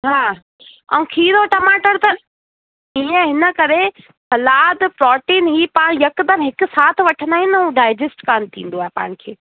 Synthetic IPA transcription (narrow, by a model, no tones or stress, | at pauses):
ɦaː | ɐ̰̃ũkʰiːɾoʈɐmaːʈəɾt̪ɐ | iːə̃ɦɪnə̆kɐɾe | sɐlaːd̪pɾɔːʈiːnɦiːpaːɽ̃jɐkd̪əmɦɪkʊ̆saːt̪ʰʋɐʈʰə̃nd̪aːɦɪ̃nũɖaːɪd͡ʒesʈkaːnt̪ʰḭ̃ːn̆d̪oaːɦepa̰ːɪɽ̃kʰeː